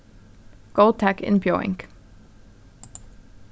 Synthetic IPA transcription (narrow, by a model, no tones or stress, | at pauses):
ɡ̥oʊlˠd̚tʰækɪ̰̃nbjɔɪ̰̃ŋk